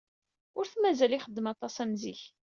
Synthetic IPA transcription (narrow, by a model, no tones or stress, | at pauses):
ʊɾθmæzæliχəd̪ːəmɑt̪ˤɑsæmziç